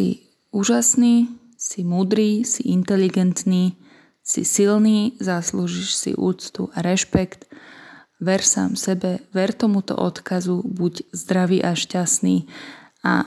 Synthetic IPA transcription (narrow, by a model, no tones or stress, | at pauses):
sḭ | uːʒasniː | simuːd̪ɾiːsiʔint̪ɛliɡɛnt̪niː | sḭsilniːzasluʒiʃsḭʔṵːt͡st̪ṵʔaɾɛʃpɛkt̪ | ʋɛɾsa̰ːmsɛbɛʋɛɾt̪ɔmut̪ɔ̰ʔɔt̪kazubuɟzd̪ɾaʋiːʔaʃcasniː | a̰